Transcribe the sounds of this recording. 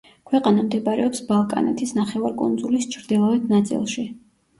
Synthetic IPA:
kʰwɛqʼanamd̪ɛbɾɛ̰ɔpsbalˠkʼa̰nɛ̰t̪ʰisnaχɛvaɾkʼṵnd̪zulist͡ʃʰɾd̪ilˠavɛt̪ʰnat̪sʼḭlˠʃi

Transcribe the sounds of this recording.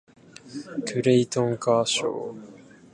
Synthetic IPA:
kʰɯɾeit̪õŋkaːɕo̰ː

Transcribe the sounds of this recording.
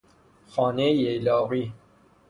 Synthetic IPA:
xɑːnejejlɒːɣiː

